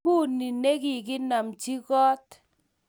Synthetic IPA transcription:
u˦˨ni˨ne˦ki˨k̬ɪ˦na˨mt͡ʃi˦kɔ˦t

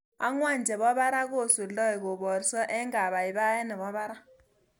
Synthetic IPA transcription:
a̰˦ŋwa˦˨nd͡ʒʱɛ˨ɓɔ˦ɓa˦ɾa˦k̬o˦˨su˨lɔ˦i˨k̬ɔ˨ɓɔ˨rsɔ˦ʔɛ˦ŋa˨ɓa˨i˨ɓa˦jɛ˦nɛ˨ɓɔ˦ɓa˦ɾa˦

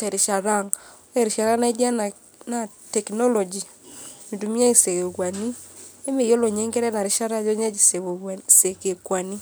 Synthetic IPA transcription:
tɛ˨ɾɪ˨ʃa˨ɾa˦˨ŋ˦ | ɛ˦ɾɪ˨ʃa˨ɾa˦na˦i˦dja˦na˨ | na˨ | tɛ˨knɔ˦lɔ˨d͡ʒi˨ | mi˨du˨mi˦a˦i˨se˨ke˨kwa˨ni˦e˦me˨jo˦lo˨ɲe˦ŋɡɛ˦ɾɛ˦na˨ɾɪ˦ʃa˦ɾa˦d͡ʒo˦ɲa˦d͡ʒi˨sse˨ke˨kwa˨ni˦

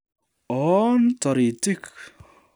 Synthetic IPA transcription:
ɔ˦ntɔ˨ɾi˨ti˦k

